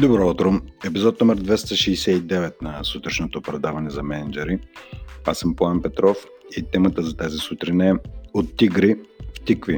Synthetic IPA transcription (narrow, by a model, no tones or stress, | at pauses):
d̪obɾɔut̪ɾoɛpizɔt̪nɔmɛɾd̪vɛst̪əʃiːsɛid̪ɛvɛt̪nɐsut̪ɾɛʃnot̪opɾɛd̪avɐnɛzɐmɛnɛd͡ʒɛɾiasəmpoanpɛt̪ɾɔf | it̪ɛmət̪əzɐt̪azisut̪ɾinɐːot̪ːiɡɾift̪ikvi